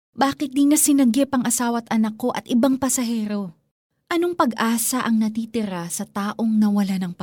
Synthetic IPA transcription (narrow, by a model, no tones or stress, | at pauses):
baːkɪt̪̚d̪inɐsɪnɐɡɪpɐŋʔɐsaːwɐt̪ʔɐnɐkːo̞ʔɐ̰t̪̚ʔɪbaŋpɐsɐɦɛːɾo̞ | ʔɐno̞ŋpɐɡʔaːsɐʔɐŋnɐt̪iːt̪ɪɾasɐt̪aːʔo̞ŋnɐwɐlanɐŋpɐ